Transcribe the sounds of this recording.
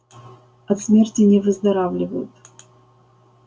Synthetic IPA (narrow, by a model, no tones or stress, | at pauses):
ɐt̪smʲertʲɪnʲɪvɨzd̪ɐɾavlʲɪvəjʊ̰t̪